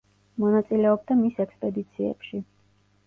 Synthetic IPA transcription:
mɔnat̪sʼilɛɔbd̪amisɛkspʼɛd̪it̪sʰiɛ̰pʃi

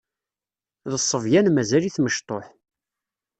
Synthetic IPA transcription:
ðəsˤːəvjænmæzæliθməʃt̪ˤoħ

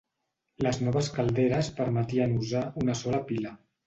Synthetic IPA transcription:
ləznɔβəskalˠd̪eɾəspəɾmət̪iənuzaunəsɔləpilə

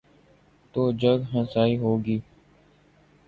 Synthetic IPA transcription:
t̪oːd͡ʒəɡɦə̃saːiːɦoːɡiː

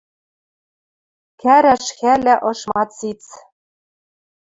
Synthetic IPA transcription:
kæɾæʃxælæʔɤ̆ʃmɑt͡sit͡s

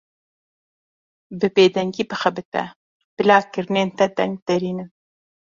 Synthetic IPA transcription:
bəbed̪aŋɡipəxabɨt̪a̰ | b̥ɪlɑːkɪɾnent̪ad̪a̰ŋɡ̚d̪aɾinɨn

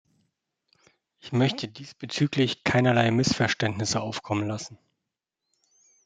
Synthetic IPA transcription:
ʔɪçmœçtʰədiːsb̥ət͡syːklɪçkʰaɪnɐlaɪmɪsfɛɐʃtɛntnɪsəʔaʊfkʰɔmənlasn̩

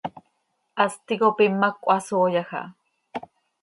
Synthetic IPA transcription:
ʔast̪ikopimːakʷʼasoːjaxa̰

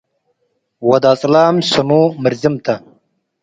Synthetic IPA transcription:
wɐd̪aːt͡sʼlaːmsɐmuːmɐɾzimt̪ʰɐ

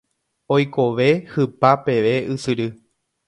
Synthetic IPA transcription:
ojkoʋe̞hɨpape̞ʋe̞ʔɨsɨɾɨ

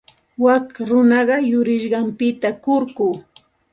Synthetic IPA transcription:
wakɾʊnɑɢɑjʊɾɪʃɢɑmpɪt̪akʊɾkuː

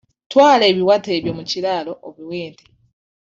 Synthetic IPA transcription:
twaːle̞ːβiwate̞ːβjo̞mucilalo̞ʔoβiweːnte̥

